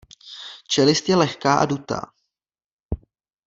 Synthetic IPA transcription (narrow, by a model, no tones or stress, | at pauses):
t͡ʃɛlɪst̪jɛlɛxkaːʔa̰dut̪a̰ː